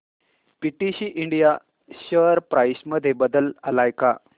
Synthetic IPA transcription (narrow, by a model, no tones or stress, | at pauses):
piʈiɕiʔiɳɖija | ɕəɾpɾajsməd̪ʱːebəd̪ələlajka